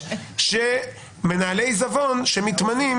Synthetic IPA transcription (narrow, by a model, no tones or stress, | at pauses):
ʃe | me̞naːle̞jzavo̞nʃemit̪manim